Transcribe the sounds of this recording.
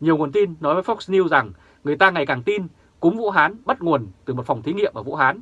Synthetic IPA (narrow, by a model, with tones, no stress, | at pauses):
ɲi˨˩əwŋu˨˩ənt̪i˧nːɔ˨˦jvəː˨˦fɔ˦˥k̚sni˧wza˨˩ŋ | ŋɨ˨˩əjt̪aː˧ŋa˨˩jkaː˨˩ŋt̪i˧n | kʊ˨˦ŋ͡mvṵ˧˥ɦaː˨˦nɓə˦˥t̚ŋu˨˩ənt̪ɨ˨˩mo˨˩t̚fa˨˩wŋ͡mt̪ʰi˨˦ŋḭ˧˨əmʔəː˧˩vṵ˧˥˨ɦaː˨˦n